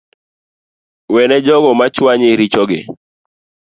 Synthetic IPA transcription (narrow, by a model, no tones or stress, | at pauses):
wɛnɛd͡ʒɔɡɔmat͡ʃwaɲɪɾit͡ʃɔɡɪ